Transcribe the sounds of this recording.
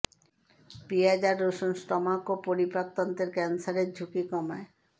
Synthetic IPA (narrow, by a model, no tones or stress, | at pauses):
piad͡ʑaɾːoʃonsʈɔmakopoɾipɾat̪ːont̪eɾkɛnsaɾeɾd͡ʑʱukikɔmae